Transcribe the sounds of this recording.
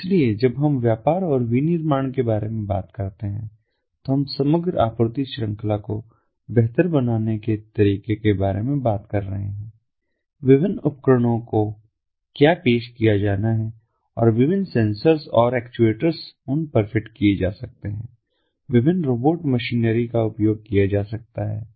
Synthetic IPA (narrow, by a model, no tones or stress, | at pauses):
ɪslied͡ʒɐbɦɐmʋjaːpaːɾɔːɾʋinɪɾmaːɳ̃kebaːɾemẽba̰ːt̪kɐɾt̪eɦɛ̰̃ | t̪oɦɐmsɐməɡɾa̰ːpɾot̪iʃɾə̃ŋklako | bɛɦt̪əɾbɐnaːneket̪ɐɾiːkekebaːɾemẽbaːt̪kɐɾːɐɦḛɦɛ̃ː | ʋɪʋɪnʊpkɾəɽ̃õko | kjaːpeːʃkijad͡ʒaːnaɦɛ | ɔ̰ːɾʋɪʋɪnsɛ̃nsəɾzɔːɾɛːkt͡ʃueːʈəɾzʊnpəɾfɪʈkied͡ʒaːsɐk̚t̪eɦɛ̰̃ː | ʋɪbɪnːɾoːboːʈməʃiːnəɾikaʊpjoːɡ̚kijad͡ʒaːsɐk̚t̪aɦɛ̰ː